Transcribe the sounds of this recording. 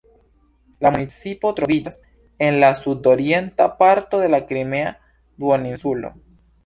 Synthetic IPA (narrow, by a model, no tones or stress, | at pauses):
lamunit͡sipo̞t̪ɾo̞vid͡ʒas | enlasud̪o̞ɾje̞ntapaɾt̪o̞ðe̞lakɾime̞a | d̪woninsulo̰